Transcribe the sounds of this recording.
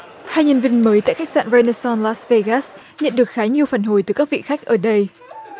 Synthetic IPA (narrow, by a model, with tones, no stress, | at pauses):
haː˧jɲə˧nvi˧ənməː˨˦jt̪a̰ː˧˨jxa˦˥k̚sa̰ː˧˨nve˧ne˧sɔ˧nlaː˦˥sve˧ɣa˦˥s | ɲə̰˧˨nɗɨ˨˩ək̚xaː˨˦ɲi˨˩əwfaː˧˩nɦo˧˩jt̪ɨ˨˩kaː˦˥k̚vḭ˧˨xa˦˥k̚ʔəː˧˩ɗə˧j